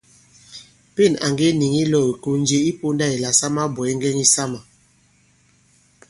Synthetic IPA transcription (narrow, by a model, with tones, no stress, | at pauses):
pe˦˨na̰˨ŋɡe˦ni˨ŋi˦lɔ˦˨i˨ko˨n˦d͡ʒe˦i˦po˦nda˦˨i˨la˨sa˦ma˦bɔ˨i˦ŋɡɛ˦ŋi˦sa˦ma˨